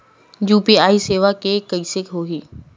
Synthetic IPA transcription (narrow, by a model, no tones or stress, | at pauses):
juːpiaːiseːʋakeːkəiːsekɦoːɦiː